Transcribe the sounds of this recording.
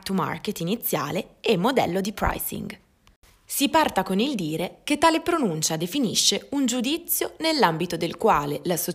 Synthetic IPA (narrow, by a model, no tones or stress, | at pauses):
t̪uma̰rket̪init̪sːja̰ːleɛmːod̪ɛ̰lːod̪ipɾa̰jsḭŋɡ | sipart̪akonild̪iːɾeket̪ːaːlepɾonunt͡ʃad̪efiniʃːeund͡ʒud̪it̪sːjonelːambit̪od̪elkwaːlelaso